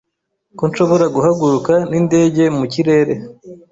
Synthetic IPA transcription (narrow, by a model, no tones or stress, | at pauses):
konʃo̞βo̞ɾaɡuɦaɡuɾukaninde̞ːɟe̞muciɾe̞ːɾe̞